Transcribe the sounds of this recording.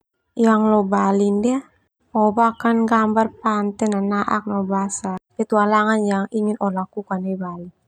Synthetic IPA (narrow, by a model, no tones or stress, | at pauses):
jaŋlɔbalindɛ | ɔbakanɡambarpant̪ɛnanaʔa̰k̚nɔbasabɛt̪ualaŋanjaŋiŋinɔlakukanɛbali